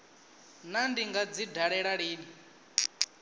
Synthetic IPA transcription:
nandiŋɡad͡zidʱaɺɛɺaɺiːni

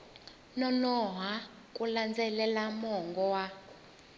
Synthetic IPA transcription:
nɔnɔɦa | k̬ʼuland͡zɛlɛlamɔŋɡɔwa

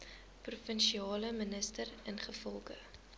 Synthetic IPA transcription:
prufənʃiɑːləmənəstərənχəfɔlˠχə

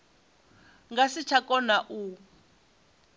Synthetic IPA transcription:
ŋɡasit͡ʃʰakɔnaʔu

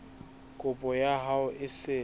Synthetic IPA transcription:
kʼʊpʼɔjaɦaʊʔɪsɪ

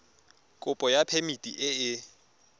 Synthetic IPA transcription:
kʼʊpʼɔjapʰemitʼiʔɪɪ

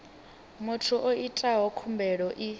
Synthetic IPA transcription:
mʊtʰuʔoitʼaɦɔkʰumbʱɛɺɔʔi

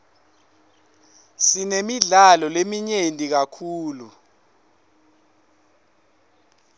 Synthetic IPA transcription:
sinemiɮalɔlemiɲentʼik̬akʰuːlu

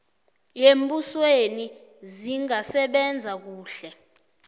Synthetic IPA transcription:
jembʼusweni | ziŋasɛɓɛnd͡zʱak̬uːɬɛ

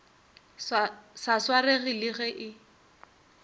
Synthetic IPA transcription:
saswareɣilɪɣɛʔɪ

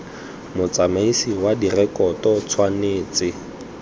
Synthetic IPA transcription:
mʊt͡samaisiwadirɛkɔtɔt͡sʰwaneːt͡sɪ

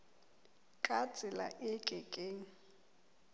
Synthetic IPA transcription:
kʼat͡sʼɪla̰ʔɪkʼɛkʼeːŋ̩

